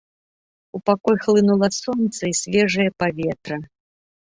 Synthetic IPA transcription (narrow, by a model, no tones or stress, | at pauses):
upakɔjxlˠɨnulˠɐsɔnt̪sɐisʲvʲɛʐɐjɐpavʲɛt̪ɾɐ